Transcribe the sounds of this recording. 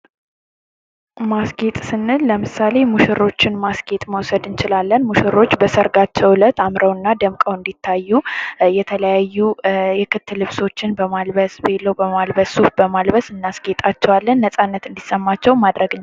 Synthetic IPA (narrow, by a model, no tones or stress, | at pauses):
masɡet̪ʼsɨnːɨlːəmɨsale̞muʃɪɾo̞t͡ʃːɪnmasɡe̞t̪ʼməwsəd̪ɨnt͡ʃɪlalːənmuʃɪɾo̞t͡ʃːbəsəɾɡat͡ʃːɛwlət̪amɾəwɨnːad̪əmkʼəwɨnd̪it̪ʰːajːujɛt̪ʰələjajːujɛkʰɨt̪ʰːɨlːɨβso̞t͡ʃːɪnbəmalbəsbelːəwbəmalbəsufbəmalbəsɨnːasɡet̪ʼat͡ʃːɛwalːənːəsʼanːət̪ɨnd̪isəmːat͡ʃːɛwmad̪ɾəɡɨɲː